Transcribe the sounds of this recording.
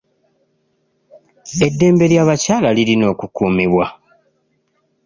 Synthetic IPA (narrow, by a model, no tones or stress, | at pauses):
e̞dːe̞ːmbe̞ɾjaːβacaːlalilino̞ːkukuːmiβwa